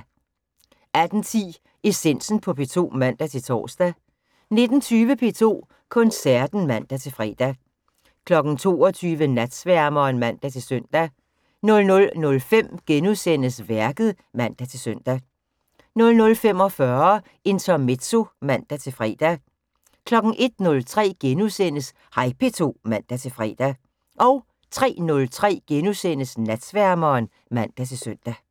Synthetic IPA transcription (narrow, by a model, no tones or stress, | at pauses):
æd̥n̩t͡sʰḭː | esen̰sn̩pʰɒ̽pʰe̝̰ːt͡sʰo̝̰ːmæn̰d̥æt͡sʰe̝lt͡sʰɒ̰ːsd̥æ | ne̝d̥n̩t͡sʰyːʋəpʰe̝̰ːt͡sʰo̝̰ː | kʰɔ̽nsæɐd̥n̩mæn̰d̥æt͡sʰe̝lfʁɛ̰ːd̥æ | kʰlɒ̽ɡ̥n̩t͡sʰo̝̰ːɒt͡sʰyːʋənæd̥sʋæɐmɒnmæn̰d̥æt͡sʰe̝lsøn̰d̥æ | nɔ̽lnɔ̽lnɔ̽lfem̰ɡ̥enuðˠsen̰əsʋæɐɡ̥ð̞̩ˠ | mæn̰d̥æt͡sʰe̝lsøn̰d̥æ | nɔ̽lnɔ̽lfem̰ɒ̽fɶɐ | e̝nt͡sʰɒmed̥so̝mæn̰d̥æt͡sʰe̝lfʁɛ̰ːd̥æ | kʰlɒ̽ɡ̥ŋ̩ʔe̝d̥nɔ̽lt͡sʰʁɛ̰ːɡ̥enusen̰əs | hɑ̈ɪpʰe̝t͡sʰo̝̰ːmæn̰d̥æt͡sʰe̝lfʁɛ̰ːd̥æ | ʔɒʊ | t͡sʰʁɛ̰ːnɔ̽lt͡sʰʁɛ̰ːɡ̥enusen̰əsnæd̥sʋæɐmɐːn | mæn̰d̥æt͡sʰe̝lsøn̰d̥æ